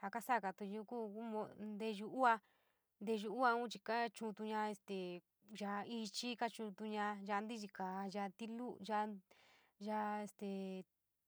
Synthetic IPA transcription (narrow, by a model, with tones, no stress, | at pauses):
ha˧ka˦sa˦˨ka˧˨t̪u˧ju˧ku˦ku˦mõ˧nd̪e˧ʒu˧u˦a˧ | nd̪e˧ʒu˧u˦a˧ũ˦t͡ʃi˧ka˦t͡ʃũ˧t̪u˧ɲã˧e˧st̪e˨ | ʒa˧i˧t͡ʃi˦ka˦t͡ʃũ˧t̪u˧ɲã˧ʒa˧nd̪i˦ʒi˧ka˨˧ʒa˧t̪i˦lu˦ʒa˧ | ʒa˧e˧st̪e˨